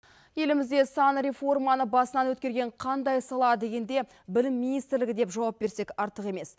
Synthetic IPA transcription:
je̞lɪmɪzd̪e̞sɑnɾʲe̞fo̞rmɑnəbɑsənɑnwɵt̪̚kʲeɾɡʲe̞ɴqʰɑnd̪ɑjsɑlˠɑd̪e̞ɡʲe̞nd̪e̞ | bɪlɪmːinijst̪ɾlɪɡʲɪd̪e̞pʒɑwɑp̚be̞ɾse̞kʲɑɾt̪əqe̞me̞s

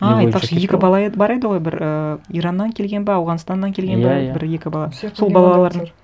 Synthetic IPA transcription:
ɑɑjtpɑqʃəje̞kʲɪbɑlˠɑebɑɾe̞d̪ɪʁo̞jbɪɾəijɾɑnːɑŋkʲʰe̞lɡʲe̞nbɪɑwʁɑnst̪ɑnːɑŋkʲʰe̞lɡʲenbɪbɪɾje̞kʲɪbɑlˠɑso̞lˠbɑlˠɑlˠɑlˠɑɾd̪əɴ

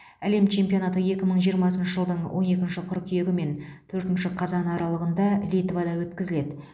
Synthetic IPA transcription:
æle̞mt͡ʃʰe̞mpio̞nɑt̪əje̞kʲɪməɴʒijəɾmɑsənʃəʒəlˠd̪əɴwʔo̞̰ne̞kʲɪnʃɪqʰʊɾkʲʰije̞ɡʲɪme̞nt̪ʰɵɾt̪ɪnʃɪqʰɑzɑnɑɾɑlˠəʁənd̪ɑlijt̪vad̪ɑwɵt̪kʲɪzɪle̞d̪ɪ

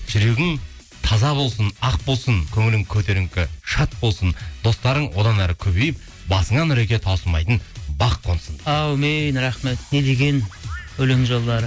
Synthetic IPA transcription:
ʒʏɾe̞ɡʲɪŋ | t̪ʰɑzɑbo̞lˠsənɑq̚bo̞lˠsəŋkʲʰɵŋɪlɪŋkʲʰɵt̪e̞ɾɪŋkʲɪʃɑt̪̚bo̞lˠsənd̪̥o̞st̪ɑɾəɴwo̞d̪ɑnæɾɪkʲʰɵbe̞jɪp̚ | bɑsəɴɑnʏɾe̞kʲe̞t̪ʰɑwsəlˠmɑjt̪ənbɑqqʰːo̞nsənɑwmejnɾɑχme̞t̪̚ne̞d̪e̞ɡʲe̞nɵleŋʒolˠd̪ɑɾə

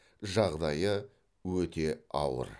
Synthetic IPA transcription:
ʒɑʁd̪ɑjə | wɵt̪e̞ɑ̰wə̰ɾ

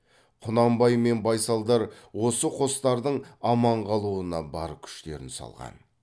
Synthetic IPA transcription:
qʰʊnɑmbɑjme̞nbɑjsɑlˠd̪ɑɾwo̞səqʰo̞st̪ɑɾd̪əɴɑmɑɴqɑlˠuənɑbɑ̰ɾəp̚kʲʰʏ̥ʃt̪e̞̰ɾɪnsɑ̰lˠʁɑ̰n

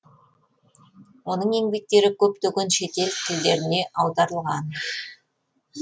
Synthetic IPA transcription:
wo̞nəɴe̞ŋbe̞k̚t̪e̞ɾɪkʲʰɵpt̪ɵkʲenʃe̞t̪e̞lt̪ʰɪld̪e̞ɾɪne̞ʔɑwd̪ɑɾəlˠʁɑn

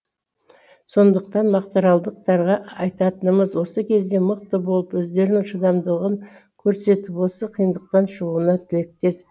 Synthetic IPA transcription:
so̞nd̪əq̚t̪ɑnmɑqt̪ɑɾɑlˠd̪əq̚t̪ɑɾʁɑɑjt̪ɑt̪ənəməzwo̞səkʲʰe̞zd̪e̞məq̚t̪əbo̞lˠəpwɵzd̪e̞ɾnɪŋʃəd̪ɑmd̪əʁəŋkʲʰɵɾse̞t̪ɪpwo̞səqʰijənd̪əq̚t̪ɑnʃəʁuənɑt̪ʰɪlek̚t̪e̞s

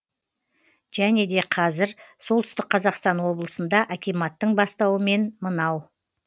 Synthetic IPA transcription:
ʒ̥æne̞d̪e̞qʰɑzɪɾso̞lˠt̪ʏst̪ɪk̚qʰɑzɑqst̪ɑnwo̞blˠəsənd̪ɑʔækʲijmɑt̪ːəɴbɑst̪ɑwəme̞nmənɑw

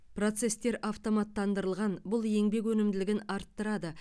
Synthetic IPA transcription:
pro̞t̪se̞st̪e̞ɾʔɑft̪o̞mɑt̪ːɑnd̪əɾəlˠʁɑnbʊlˠje̞ŋbe̞kwɵnɪmd̪ɪlɪɡʲɪnɑɾt̪ːəɾɑd̪ə

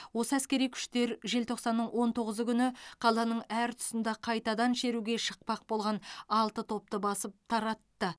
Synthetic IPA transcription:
wo̞səæskʲe̞ɾijkʲʰʏ̥ʃt̪e̞ɾʒe̞lt̪ʰo̞qsɑnːəɴwʔo̞nt̪ʰo̞ʁəzəkʲʏnɪqʰɑlˠɑnəɴæɾt̪ʰʊ̥sənd̪ɑqʰɑjt̪ɑd̪ɑnʃe̞ɾuɡʲe̞ʃəq̚pɑq̚bo̞lˠʁɑnɑlˠt̪ət̪ʰo̞p̚t̪əbɑsəp̚t̪ʰɑɾɑt̪ːə

